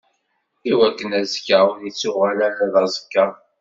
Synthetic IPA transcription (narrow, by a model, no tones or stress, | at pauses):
iwækːənæzkːəðit͡sːʊʁælælæðˤɑzˤə̥kːa